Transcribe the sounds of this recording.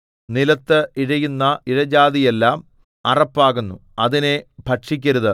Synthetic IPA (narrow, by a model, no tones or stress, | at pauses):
nilɐt̪ːɨiɻɐjunːɐiɻɐd͡ʑaːðije̞lːaːm | ɐrɐpːaːɣunːuɐðinebʱɐʈʂikʲːɐɾuðɨ